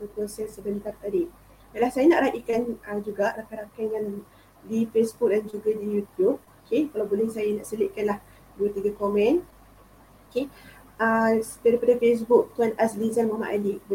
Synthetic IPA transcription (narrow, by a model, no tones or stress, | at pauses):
pəkuasasəbənt̪art̪adi | balahsajanaʔɾaʔikanəd͡ʒuɡaʔrakajɾakanŋan | difesbuk̚dand͡ʒuɡadijut̪jub̚okʰekalawbolɛhsajanaʔsəlɪʔkanlah | duət̪iɡakomɛ̃n | oke | ədaɾipadafes̬bʊk̚t̪uanaslizanmama̰ʔadib